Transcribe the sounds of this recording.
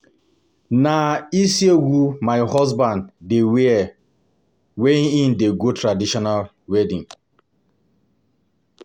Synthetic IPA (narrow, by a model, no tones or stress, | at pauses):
naisieɡumaɪhɔzbãndːewe | weĩn̩deɡotɾadiʃɔnal | wedĩŋ